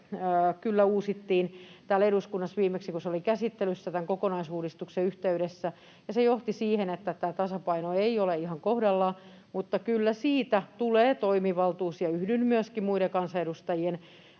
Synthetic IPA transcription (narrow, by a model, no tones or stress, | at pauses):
kylːæuːsit̪ːiːnt̪æːleɾuskunːɑsʋiːmeksikuseolikæsit̪ːelysːæt̪æŋkokonɑisuːdist̪ukseyht̪eyɾesːæ | jɑsejoht̪isiːhenet̪ːæt̪æːt̪ɑsɑpɑinoeioleihɑŋkohdɑlːɑ | mut̪ːɑkylːæsiːt̪æt̪uleːt̪oimiʋɑlt̪uːsjɑyhdynmyøskimuiɾekɑnsɑeɾust̪ɑjien